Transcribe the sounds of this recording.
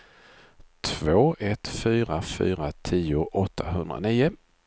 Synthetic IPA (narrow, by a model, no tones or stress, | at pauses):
t̪ʰvoːʔɛt̪fyːɾafy̰ːɾat̪ʰiːʊʔɔt̪ʰːaɦɵnd̪ɾa̰niːʊ